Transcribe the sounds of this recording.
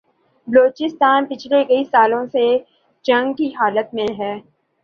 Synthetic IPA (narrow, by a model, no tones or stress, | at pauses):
bəloːt͡ʃɪst̪aːnpɪt͡ʃʰlekɐisaːlõse | d͡ʒɐ̃ŋɡkiɦaːlət̪̚mẽɦɛː